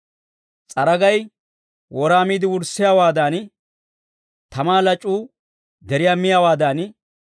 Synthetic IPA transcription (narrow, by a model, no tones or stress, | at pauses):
t͡sʼɐɾɐɡɐj | wɔɾaːmiːd̪ɪwʊɾsːɪjaːwaːd̪aːn | t̪ɐmaːlɐt͡ʃʼːuː | d̪ɛɾɪjaːmɪjawaːd̪aːn